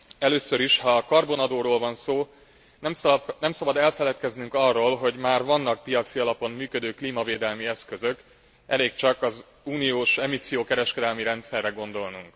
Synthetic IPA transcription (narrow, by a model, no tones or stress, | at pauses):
ɛløːsø̞ɾiʃhɒːkɒrbo̞nɒd̪oːɾoːlvɒnsoː | nɛmnɛmsɒbɒd̪ɛlfɛlɛt̪kɛznyŋkɒrːoːlɦo̞ɟmaːrvɒnːɒk̚pijɒt̪siɒlɒpo̞mːyːkød̪øːkliːmɒveːd̪ɛlmiɛskø̞zø̞k | ʔɛ̰leːkt͡ʃɒkɒz | uːnijoːʃɛmisijoːkɛɾɛʃkɛd̪ɛlmiɾɛnt̪sɛrːɛɡo̞nd̪o̞lnuŋk